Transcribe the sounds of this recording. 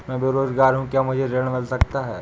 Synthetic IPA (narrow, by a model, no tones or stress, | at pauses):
mɛ̃beɾoːzɡaːɾɦũkjamʊd͡ʒʱeɾeɽ̃mɪlsɐkt̪aɦɛː